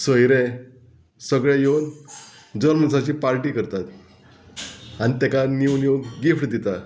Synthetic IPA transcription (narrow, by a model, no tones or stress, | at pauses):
səjɾẽ | səɡɭẽjewn | d͡zəɾmənsat͡ɕiːpaɾʈikəɾt̪at̪ | anit̪ɛkaniwnjewɡɡifʈd̪ɛt̪a